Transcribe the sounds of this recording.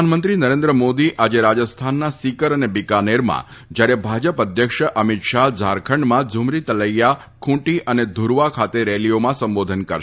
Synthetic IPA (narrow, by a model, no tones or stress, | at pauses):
nmənt̪ɾinəɾẽnd̪ɾəmod̪iʔʔad͡ʒeɾad͡ʒəst̪ʰanːasikəɾənebikaneɾmã̰d͡ʒjaɾebʱad͡ʒəpəd̪ʱjəkʃʔəmit̪ʃad͡ʒʱaɾkʰəɳɖmãd͡ʒʱʊmɾit̪ələjːa | kʰũʈiʔəned̪ʱuɾʋakʰat̪eɾeliomãsəmbod̪ʱənkəɾʃ